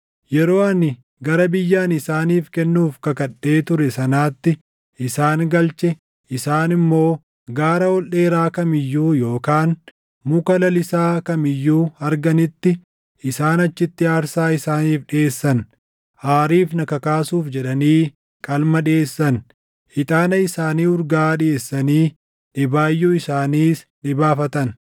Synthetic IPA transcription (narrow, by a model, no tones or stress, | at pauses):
jɛɾo̞ːɐnɪ | ɡɐɾɐbɪjːaːnɪsaːniːfkɛnːuːfkɐkɐɗːeːt̪ʊɾɛsɐnaːt̪ːɪ | ʔɪsaːnɡɐlt͡ʃɛ | ʔɪsaːnɪmːo̞ː | ɡaːɾɐwɔlʔe̞ːɾaːkɐmɪjːuːjo̞ːkaːn | mʊkɐlɐlɪsaːkɐmɪjːuːɐɾɡɐnɪt̪ːɪ | ʔɪsaːnɐt͡ʃːɪt̪ːɪaːɾsaːɪsaːniːfᶑɪeːsːɐn | haːɾiːfnɐkɐkaːsuːfd͡ʒɛᶑɐniː | kʼɐlmɐᶑeːsːɐn | ʔɪt̪ʼaːnɐɪsaːniːʊɾɡaːɗɪeːsːɐniː | ᶑɪbaːjːuːɪsaːniːsᶑɪbaːfɐt̪ɐn